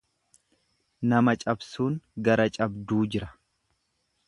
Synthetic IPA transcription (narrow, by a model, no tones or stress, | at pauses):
nɐmɐt͡ʃʼɐbsuːŋɡɐɾɐt͡ʃʼɐbd̪uːd͡ʒɪɾɐ̥